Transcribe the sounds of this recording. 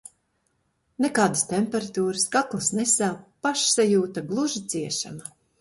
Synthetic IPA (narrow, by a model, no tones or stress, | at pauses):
nekaːd̪ast̪emʲpɛɾat̪uːɾɨskaklˠasnɛsaːpaʃsajuːt̪aɡlˠuʒit̪siɛʃa̰ma